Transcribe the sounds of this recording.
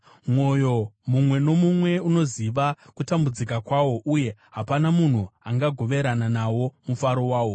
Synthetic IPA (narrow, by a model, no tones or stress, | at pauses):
mwo̞jo̞mumwe̞no̞mumwe̞uno̞ziʋakutambud͡zikakwawo̞ʔuje̞ɦapanamun̤uaŋɡaɡʱo̞ʋe̞ɾananawo̞mufaɾo̞waːwo̞